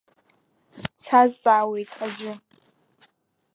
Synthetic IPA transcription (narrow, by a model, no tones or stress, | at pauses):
t͡sʰazt͡sʼaːwejtʰʼad͡ʒʷʊ